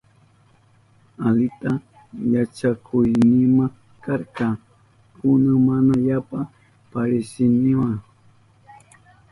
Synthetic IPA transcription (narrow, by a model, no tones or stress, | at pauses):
alɪt̪a | jat͡ʃakʰʊjnɪmaŋ | kaɾkɑ | kʊnamanaʎapa | paɾɪsɪnɪwa